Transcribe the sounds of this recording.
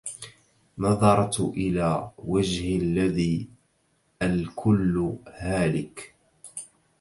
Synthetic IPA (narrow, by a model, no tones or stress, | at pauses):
nɑðˤɑɾˤtʔɪlaːwad͡ʒhɪlːaðiː | ʔalkʰʊlːhaːlɪk